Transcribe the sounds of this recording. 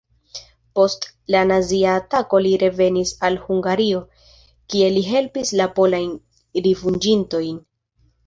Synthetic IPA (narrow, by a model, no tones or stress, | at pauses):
po̞stlanaziaːtako̞liɾe̞ve̞nisalhuŋɡaɾio̞ | kie̞liɦe̞lpislapo̞lajn | ɾivund͡ʒinto̞jn